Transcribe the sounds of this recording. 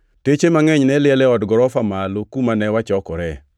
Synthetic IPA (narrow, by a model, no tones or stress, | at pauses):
tet͡ʃemaŋɛɲnɛlɪɛlɛɔdɡɔɾɔfamalokumanɛwat͡ʃɔkɔɾɛ